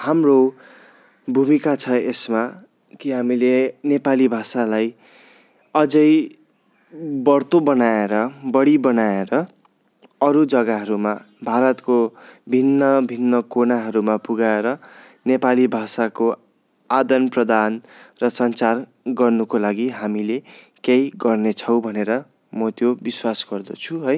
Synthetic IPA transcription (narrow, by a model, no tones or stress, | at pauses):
hamro | bʱumikat͡sʰʌesma | kiɦamilenepalibʱasalaj | ʌd͡zʌj | bʌɽt̪obʌnaeɾʌbʌɽibʌnaeɾʌ | ʌɾud͡zʌɡaɦʌɾuma | bʱaɾʌt̪kobʱinːʌbʱinːʌkonaɦʌɾumapuɡaeɾʌ | nepalibʱasako | ad̪ʌnprʌd̪anrʌsʌnt͡sar | ɡʌrnukolaɡiɦamile | kejɡʌrnet͡sʰʌw̃bʱʌneɾʌ | mʌt̪jobiswasɡʌrd̪ʌt͡sʰuɦʌj